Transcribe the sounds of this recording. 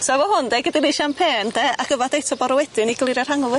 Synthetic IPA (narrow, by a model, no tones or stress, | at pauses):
sɔɛvɔhʊndɛɡədiniʃampʰeːndɛʔaɡ̥əvɔdejtʰɔbɔɾɔwɛdɪniɡlˠɪɾar̥haŋɔvʊ